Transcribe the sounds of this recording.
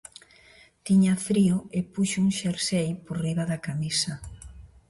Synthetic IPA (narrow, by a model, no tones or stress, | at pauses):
t̪iɲafɾioɪpuʃouŋʃeɾsejpoɾriβaðakamisɐ